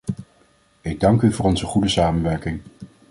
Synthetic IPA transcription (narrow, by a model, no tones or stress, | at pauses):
ɪɡ̚dɑŋkyvʊːɹɔnzəχudəsaːmənʋɛɹkɪŋ